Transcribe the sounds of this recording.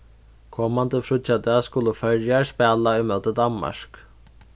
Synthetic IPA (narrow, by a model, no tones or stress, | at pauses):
kʰɔːmant̪əfɾʊt̪jat̪askʊləfœɾjaɹspæːlaujmœːt̪əd̪anma̰ʂk